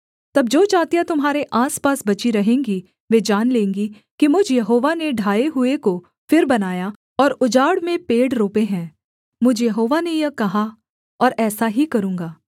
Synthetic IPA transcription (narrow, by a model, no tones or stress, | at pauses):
t̪ɐb̚d͡ʒoːt͡ʃaːt̪ijat̪ʊmɦaːɾeʔaːspaːsbɐt͡ʃiɾɐɦẽːŋɡi | ʋeːd͡ʒaːnlẽːŋɡi | kimʊd͡ʒʱjɐɦoːʋaneɖʱaːeɦʊeko | fɪɾbɐnaːja | ɔːɾʊd͡ʒaːɽmẽpeːɽɾoːpeɦɛ̃ː | mʊd͡ʒʱjɐɦoːʋanejɐkɐɦa | ɔːɾɛːsaɦikɐɾũːŋɡaː